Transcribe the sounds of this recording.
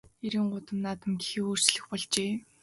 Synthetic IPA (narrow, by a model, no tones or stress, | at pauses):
eɾĭːŋɢʊt̪ə̆mnaːt̪ə̆mɡixĭːoːr̥t͡ɕɮɘ̆xpɔɮt͡ɕeː